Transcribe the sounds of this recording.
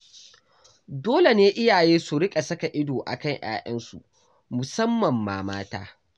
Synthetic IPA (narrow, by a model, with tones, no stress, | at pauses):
doː˦le˨neː˦ʔɪ˦jaː˨jeː˦su˨ɽɪ˦kʼa˨sɐ˦ka˨ʔɪ˦doː˨ʔa̰˨kɐ˦ŋʔa̰ː˨ʔɐ˦nsṵ˨ | mʊ˨sɐ˦mːɐ˨mːa̰ː˨ma̰ː˦ta̰ː˦